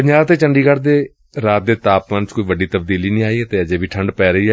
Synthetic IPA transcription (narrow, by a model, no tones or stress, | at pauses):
pəɲd͡ʒaːt̪eːt͡ʃəɳɖiːkəɾd̪eː | ɾaːt̪̚d̪eːt̪aːpmənt͡ʃkoːiːʋəɖiːt̪əbd̪iːliːnĩːaːiːɛːt̪eːəd͡ʒeːʋiːʈʰəɳɖpɛːɾəiː